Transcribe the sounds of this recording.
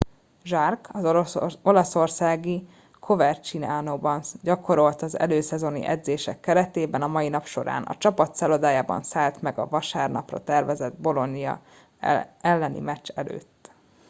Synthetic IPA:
ʒɒrkɒzo̞lɒso̞rsaːɡi | kʰo̞vɛrt͡ʃinaːnoːbɒnɟɒko̞ɾo̞lt̪ɒzɛ̰løːsɛzo̞nḭʔɛ̰d̪zeːʃɛkːɛɾɛt̪eːbɛnɒmɒjinɒpʃo̞̰ɾa̰ːnɒ̰t͡ʃɒpɒt̪sɛlod̪aːjaːbɒ̰nsaːlt̪mɛɡɒ̰vɒʃaːrnɒ̰prɒ̰t̪ɛrvɛzɛd̪̚bo̞lo̞nːijɒ̰ | ɛlːɛnḭmɛt͡ʃːɛlø̰ːt̪ː

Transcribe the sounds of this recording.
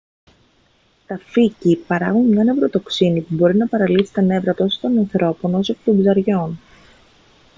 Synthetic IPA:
t̪ɐficipɐɾɐɣunmɲɐne̞vɾo̞t̪o̞ksinipubo̞ɾinɐpɐɾɐlisi̥t̪ɐne̞vɾɐt̪o̞so̥t̪o̞nɐnθɾo̞po̞no̞sokt̪o̞mbzɐɾʝo̞n

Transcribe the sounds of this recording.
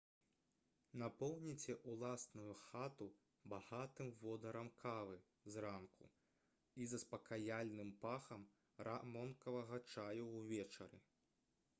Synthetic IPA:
napɔwnʲit͡sʲɛʔulˠasnujuxat̪u | baɣat̪ɨmvɔd̪ɐɾɐmkʰavɨ | zrankʰṵ | izɐspɐkajalʲnɨmpaxɐm | ɾʔamɔnkɐvɐɣɐt͡ʂajuwvʲɛt͡ʂɐ̰ɾɨ̰

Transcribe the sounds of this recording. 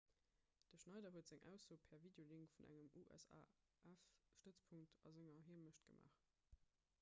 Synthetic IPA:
d̥əʃnɑɪdɐɦuətz̥æŋʔæ̰ʊsoːpʰɛɐviːdeoliŋkfunʔæ̰ŋəmʔuʔæ̰sa̰ː | ʔæfʃtət͡spʰuŋktʰɑ̰zeŋɐɦiɐməɕtɡ̥əmʔa̰ːχ

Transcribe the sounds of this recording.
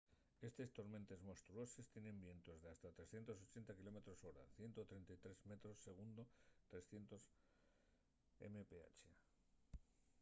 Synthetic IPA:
e̞st̪e̞st̪o̞ɾmẽ̞nt̪e̞zmo̞st̪ɾuo̞se̞st̪jenẽ̞mbje̞nt̪o̞zðeast̪at̪ɾesθjent̪o̞so̞t͡ʃe̞nt̪akilo̞me̞t̪ɾo̞so̞ɾa̰θjent̪ot̪ɾent̪ajt̪ɾe̞zme̞t̪ɾo̞sːe̞ɣ̞und̪o̞t̪ɾe̞sθje̞nt̪o̞s | ḛmepea̰t͡ʃe

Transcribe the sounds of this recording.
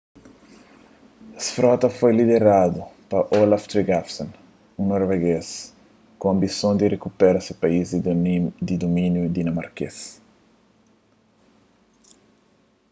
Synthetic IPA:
ɐsfɾɔt̪ɐfojlid̪eɾad̪upɐʔolaft̪ɾiɡafsõn | ũnoɾveɡes | kõɐ̃mbisõnd̪irekupɛɾɐsepaiz | d̪id̪omĩnjud̪inɐmaɾkḛs

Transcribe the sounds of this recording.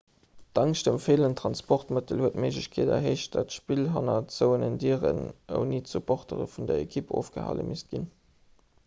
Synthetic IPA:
d̥ɑŋʃd̥əmfeːləntʁɑnspɔχtmətəlhuətmeɪʒləɕkʰeːdɐ̰ɦəɪʃdɑtʃpilɦɑnɐt͡səʊənəndiːəʁə̰nə̰ʊniːtsupʰɔχtəʁə̰fundɐekʰipo̰ːfɡ̥əhɑ̰lə̰mʔist̚ɡ̥in

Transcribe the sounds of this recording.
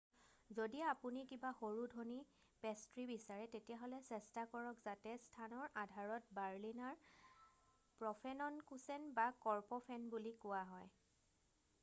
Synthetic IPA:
zodiaapunikibaxoɹudʱoni | pɛstɹibisaɹɛtetijaɦolɛsɛstakɔɹɔkzatɛstʰanɔɹadʱaɹɔt̚baɹlinaɹ | pɹɔpʰɛnɔnkusɛnbakɔɹpɔpʰɛnbulikʊwaɦɔj

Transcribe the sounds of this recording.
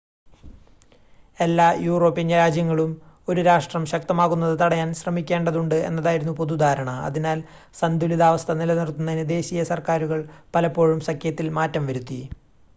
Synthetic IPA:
e̞lːaːjuːro̞ːpːinɐɾaːd͡ʑjɐŋːɐɭum | o̞ɾuɾaːʂʈrɐmɕɐk̚t̪ɐmaːɣunːɐðɨt̪ɐɽɐjaːnɕrɐmikʲːe̞ːɳɖɐðuɳɖɨe̞̰nːɐðaːjiɾunːupo̞ðud̪ʱaːɾɐɳɐɐ̰ðinaːl | sɐnd̪ʱuliðaːʋɐst̪ʰɐnilɐnirt̪ːunːɐnid̪e̞ːɕijɐsɐrkaːɾuɣɐɭpɐlɐpːo̞ːɻumsɐkʰːjɐt̪ːilmaːtːɐmʋɐɾut̪ːi

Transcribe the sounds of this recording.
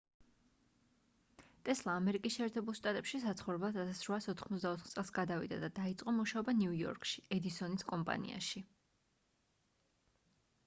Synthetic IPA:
t̪ʼɛslˠaːmɛɾikʼisʃɛːɾt̪ʰɛbulˠʃt̪ʼat̪ʼɛpʃisat̪sʰχɔvɾɛblˠat̪ʰat̪ʰasɾwaːsɔt̪ʰχmɔt̪zd̪aɔt̪ʰχt̪sʼɛlˠsɡad̪avḭd̪a̰d̪ad̪ait̪sʼqʼɔmuʃaɔbaniujɔ̰ɾkʼʃi̥ɛd̪isɔniskʼɔmpʼa̰nḭa̰ʃi

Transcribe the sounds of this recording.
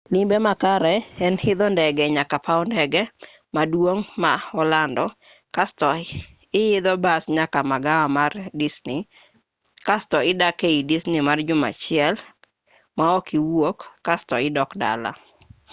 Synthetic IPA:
limbemakaɾɛɛnhɪd̪ɔndɛɡɛɲakapaɔndɛɡɛ | madwoŋmaɔlandɔ | kastɔ | ɪɪd̪ɔbasɲakamaɡawamardisnɪ | kastɔɪdakeidisnimard͡ʒʊma̰t͡ʃɪɛl | maɔkiwokːastɔɪdɔkda̰la̰

